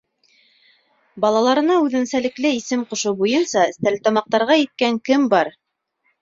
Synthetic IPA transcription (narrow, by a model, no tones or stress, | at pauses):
bɑlˠɑlˠɑɾɤ̆nɑʉðɘ̆nsælɘ̆klɘisɘmqŏʃobujɤnsɑst̪ælt̪ɑmɑq̚t̪ɑɾʁɑjɘ̆t̪̚kæŋkɘmbɑɾ